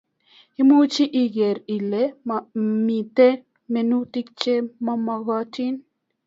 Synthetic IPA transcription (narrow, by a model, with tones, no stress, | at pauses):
i˦mu˦t͡ʃi˦ʔi˨ɡe˨ɾi˨le˦ma˨mi˨te˦ | me˨nu˦ti˦k̚t͡ʃe˦ma˦mɔ˨ɣɔ˦ti˦n